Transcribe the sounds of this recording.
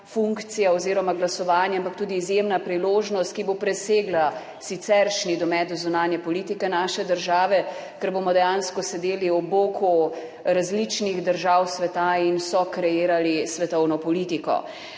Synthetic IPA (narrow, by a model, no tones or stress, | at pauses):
fuŋkt̪sijaoziːɾɔmaɡlasɔʋaːnjaampak̚t̪uːd̪iːzjemnapɾiloːʒnɔst̪̚kibopɾɛseːɡla | sit̪sɛɾʃnid̪ɔmɛd̪ɔzunaːnjɛpɔlit̪ikɛnaːʃɛd̪əɾʒaːʋɛ | kɛɾbomɔd̪ɛjanskɔsɛd̪eːliɔboːkʰu | ɾazlit͡ʃniɣd̪əɾʒawsʋɛt̪ainsɔkɾɛjeːɾalisʋɛt̪ɔwnɔpɔlit̪ikɔ̰